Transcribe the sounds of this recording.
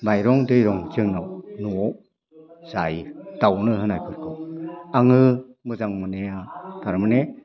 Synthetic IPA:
majɾɔŋdɯjɾɔŋd͡ʒɯŋnɔwnuɔ | z̥ajd̥awnɯɦɯnajkʰɯɾkʰɔaŋɯmɯzaŋmɯneataɾmɯne

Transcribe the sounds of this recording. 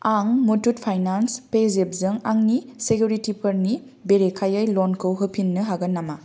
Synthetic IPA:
aŋmutut̚pʰajnanspezep̚zɯŋaŋnisekʰjuɾitipʰɐɾni | beɾekʰajajlɔnkʰɯwɦɯpʰinːɯɦaɡɐnːama

